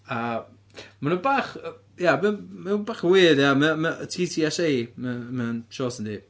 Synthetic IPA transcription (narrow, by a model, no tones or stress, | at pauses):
a | manubaːχə | jaməmanbaːχəwɪːdjaməməətʰiːtʰiːɛsejməmənʃoːsəndi